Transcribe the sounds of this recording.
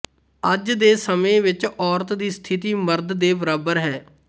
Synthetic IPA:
əd͡ʒd̪eːsəmẽːʋɪt͡ʃɔːɾt̪d̪iːst̪ʰɪt̪iːməɾd̪d̪eːbəɾaːbəɾɦɛː

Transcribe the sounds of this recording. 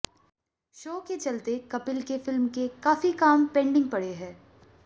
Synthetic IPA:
ʃoːket͡ʃɐlt̪ekɐpɪlkefɪlmkekaːfikaːmpɛ̃ːɳɖɪ̃ŋɡ̚pɐɽeɦɛ̃ː

